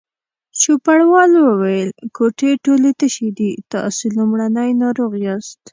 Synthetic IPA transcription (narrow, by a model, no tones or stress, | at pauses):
ʃupaɽwɑlwəwajəlkoʈeʈolet̪əʃed̪it̪ɑ̰selumɽanəjnɑɾoɣjɑst̪